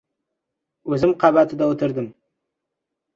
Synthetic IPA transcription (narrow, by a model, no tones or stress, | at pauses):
ɵzɪmqʰɑbat̪ʰɪd̪awot̪ʰɪɾd̪ɪm